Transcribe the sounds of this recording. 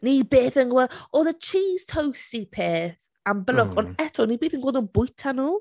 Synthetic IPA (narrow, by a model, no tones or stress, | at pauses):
niːbeːθənɡwɛɔðət͡ʃʰiːz̥tʰowstipʰɛː | anbəlɔkʰɔnɛtʰɔniːbeːθənɡwɛlˠdɔnbʊjtʰanuː